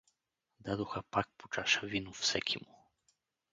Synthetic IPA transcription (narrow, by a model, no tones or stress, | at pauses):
d̪ad̪uxapak̚pɔ̥t͡ʃaʃavʲinufsɛkʰʲimu